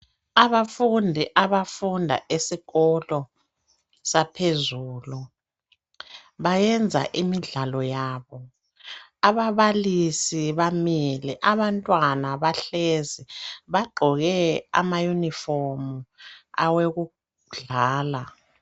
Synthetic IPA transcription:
aβafundʱiʔaβafundʱa̰ʔesiɣɔlɔ | sapʰezuːlu | βajɛnd͡zʱa̰ʔimiɮalɔjaːβɔ | aβaβalisiβamiliʔaβantʼwanaβaɬɛzɛβaɡ͡ǃʱɔɣɛa̰majunifɔrmua̰weɣu | ɮaːla

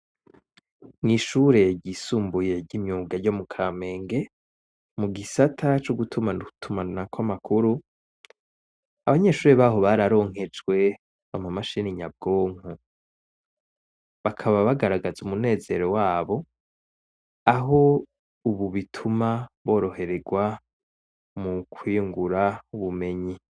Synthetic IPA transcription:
ŋiːʃuːɾe̞ɟisuːmbuje̞ɟimɲuːɡaɾjo̞mukʰame̞ːŋɡe̞ | muɡisatʰat͡ʃoɡutʰumanutʰumanakwamakʰuɾu | aβaɲe̞ːʃuːɾeβaɦo̞βaɾaɾo̞ːŋ̥ɦe̞d͡ʒɡwe̞ | a̰mamaʃiniɲab̚ɡo̞ːŋ̥u | βakʰaβaβaɡaɾaɡazumune̞ːze̞̰ɾo̞waːβo̞ | aɦo̞ | uβuβitʰumaβo̞ːɾo̞he̞ɾe̞ɡwa | mukʰwiːŋɡuɾauβume̞ɲi

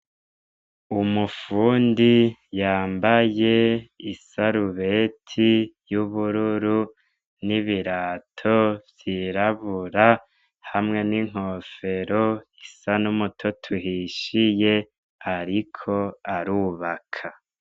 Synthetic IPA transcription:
umufuːndijaːmbaje̞isaɾuβe̞tʰijuβuɾuɾu | niβiɾaːtʰovjiɾaβuɾa | hamŋe̞niŋ̥ho̞ːfe̞ɾoisanumutʰotʰuɦiʃije̞ | aɾikʰo̞aɾuβakʰa

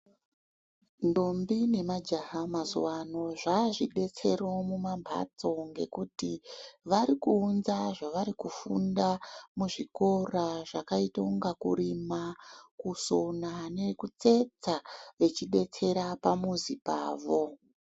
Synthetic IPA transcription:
ndo̞mbine̞mad͡ʒaɦamazṵwano̞ʐaʐiɗe̞t͡se̞ɾo̞mumambʱa̰t͡so̞ŋɡe̞̰kutiʋaɾikuːnzaʐaʋaɾikufṵndamuʐiko̞raʐakaito̞ŋɡakṵɾimakusonane̞kut͡se̞t͡saʋe̞t͡ʃiɗe̞t͡se̞ɾapamuzipa̰ːʋo̞

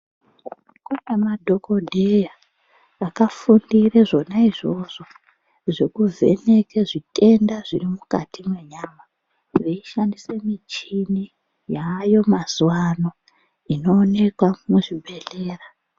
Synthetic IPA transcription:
kuɲamadʱo̞ko̞dʱejaː | kafundireʐo̞naiʐo̞ʐ̥o̞ | ʐe̞kuvʱe̞̰nekeʐite̞ndaʐirimukatimwe̞ɲama | reiʃandisemit͡ʃini | jajo̞mazuwano̞ | ino̞ːne̞kwamuʐibʱe̞ɬe̞ːra

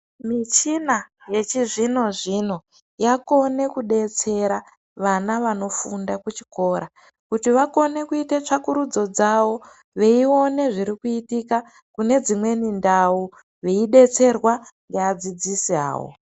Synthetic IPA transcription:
mit͡ʃinaje̞t͡ʃiʐino̞ʐino | jako̞ne̞kuɗe̞t͡se̞ɾa | ʋanaʋano̞fundakut͡ʃi̥ko̞ːɾa | kutiʋako̞ne̞kuitet͡ʂakuɾud͡zo̞d͡zawo̞ | ʋe̞io̞ne̞ʐiɾikuitika | kune̞d͡zimwe̞nindau | ʋeiɗe̞t͡se̞rwaŋɡead͡zid͡zisia̰ːwo̰

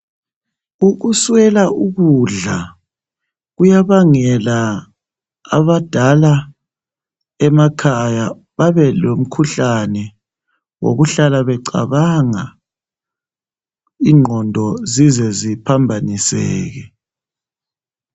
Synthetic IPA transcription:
uɣuswɛlauɣuɮa | ɣujaβaŋɛla | a̰βad̥ʱala | ɛmakʰaja | βaβɛlom̩kʰuɬanɛ | wo̰ɣuɬalaβɛǀa̰βaŋa | iŋ͡ǃʱɔndʱɔzizɛzipʰambʱanisɛ̰ːɣɛ

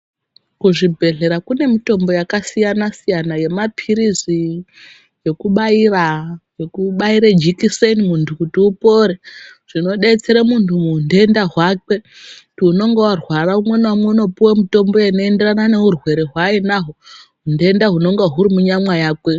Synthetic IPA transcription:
kuʐibʱe̞ɮe̞ɾakune̞mito̞mbo̞jakasijanasijanaje̞mapʰiɾizi | je̞kuɓairaje̞kuɓaiɾed͡ʒikisenimuntʰukutiupo̞ːɾeʐ̥ino̞ɗe̞t͡se̞ɾemuntʰumundendaɦwake̞ | tuno̞ŋɡewarwaraumwe̞nwamwe̞uno̞puwemito̞mbo̞jano̞ende̞ranane̞urwe̞ɾeɦwainaɦoɦunde̞ndaɦuno̞ŋɡeɦuɾimuɲamwajaːkwe̞

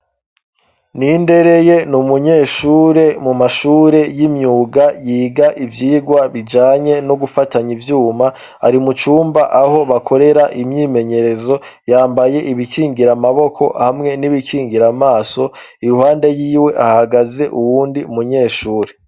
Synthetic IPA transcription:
ninde̞ɾe̞je̞numuɲeːʃuːɾe̞mumaʃuːɾe̞jimɲuːɡajiːɡaʔivjiːɡwaβid͡ʒaːɲe̞no̞ɡufataɲivjuːma | a̰ɾimut͡ʃuːmbaʔaho̞βakʰo̞ɾe̞ɾaʔimɲiːme̞ɲe̞ɾe̞zo̞ | jaːmbaje̞ʔiβikiːŋɡiɾamaβo̞kʰo̞̰hamŋe̞niβikʰiːŋɡiɾamaːso̞ | iɾuhaːnde̞jiːwe̞ʔahaɡaze̞ʔuβuːndiumuɲe̞ːʃuːɾe̞

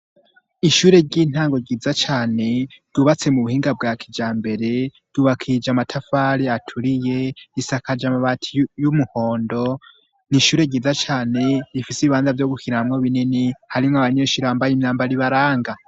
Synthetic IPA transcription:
iʃuːɾe̞ɟiːn̥haːŋɡo̞ɟiːzat͡ʃaːne̞d̥uβat͡se̞muβuhiːŋɡabɡaːkʰid͡ʒaːmbe̞ɾe̞ | d̥uβakʰid͡ʒamatʰafaːɾiatʰuɾije̞isakad͡ʒamaβatʰijumuhoːndo̞ | niʃuːɾe̞ɡɟiːzat͡ʃaːne̞ɾifiseβiβaːnzavjo̞ɡukiɾaamŋoβininihaɾimŋoaβaɲeːʃuɾeambajimɲaːmbaɾiβaɾaːŋɡa

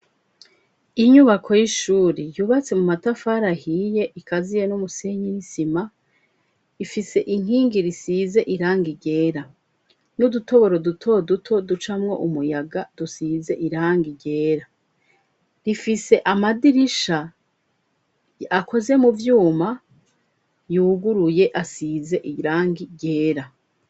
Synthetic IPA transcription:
iɲuβakʰo̞jiʃuːɾejuːβat͡se̞mumatafaɾahije̞ʔikʰazije̞numuseɲinisima | ifise̞ʔiŋ̥iːŋɡiɾisize̞ʔiɾaːŋɡiɟe̞ːɾa | nuduto̞βo̞ɾo̞dutʰo̞dutʰo̞dut͡ʃamŋo̞̰ʔumujaɡad̥usize̞ʔiɾaːŋɡiɾɟe̞ːɾa | ɾifise̞ʔamadiɾiʃa | ako̞ze̞muvjuːma | juːɡuɾuje̞ʔasize̞ʔiɾaːŋɡiɾɟe̞ːɾa

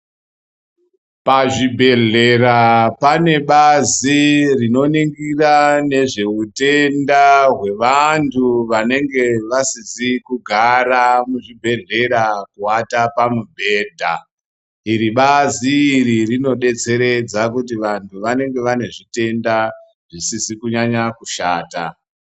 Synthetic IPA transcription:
paʐibʱe̞ɮe̞rapane̞ɓazirino̞niŋɡirane̞ʐe̞ute̞ndaɦwe̞ʋantʰuʋane̞ŋɡe̞ʋasizikuɡʱaramuʐibʱe̞ɮe̞ɾakuatapamubʱe̞ːdʱa̰ | iɾiɓaziːɾirino̞ɗe̞t͡se̞ɾe̞d͡zakut̬iʋantʰuʋane̞ŋɡe̞ʋane̞ʐite̞nda | ʐisisikuɲaɲakuʃaːta̰

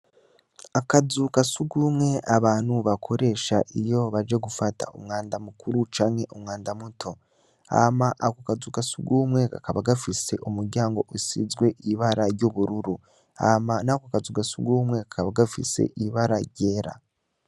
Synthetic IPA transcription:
akazukasuɡuːmŋe̞aβaːn̥huβakʰo̞ɾe̞ːʃaʔijo̞βad͡ʒe̞ɡufata̰ṵmŋaːndamukuɾut͡ʃaːŋhe̞ʔumŋaːndamutʰo̞ | a̰maʔakokazuːkasuɡuːmŋe̞ka̰kaβaɡafise̞ʔumuɾɟaːŋɡo̞ʔusḭzɡwe̞ʔiβaɾaɾɟoːβuɾuɾu | a̰manakoakazuːkasṵɡuːmŋe̞kakaβaɡafḭse̞̰ʔiβaɾaɾɟe̞ːɾa̰

